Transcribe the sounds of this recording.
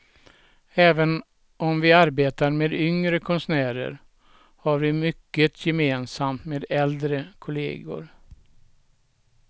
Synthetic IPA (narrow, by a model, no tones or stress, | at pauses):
ɛːvən | ʔɔmvɪaɾbeːt̪aɾmeːd̪ʏŋɾəkʰɔnsnæːɾə̰ɾ | haɾvɪmʏkːət̪ʰjɛmeːnsamt̪meːd̪ɛld̪ɾəkʰʊlḛːɡʊ̰ɾ